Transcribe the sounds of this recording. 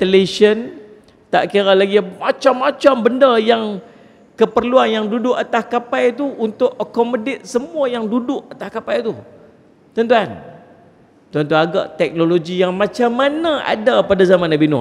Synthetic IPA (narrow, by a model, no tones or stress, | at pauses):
t̪əleʃən | t̪a̰ʔkiɾalaɡimat͡ʃamːat͡ʃambəndajaŋ | kəpərluanjaŋdudʊʔat̪askapajt̪uʔunt̪ʊʔəkɔmodet̪̚səmũajaŋdudʊʔat̪ahkapajt̪u | t̪ənt̪uan | t̪uant̪̬uaɡa̰ʔt̪ɛk̚noloɡijaŋmãt͡ʃamːanãʔa̰dapadazamãnabinṵ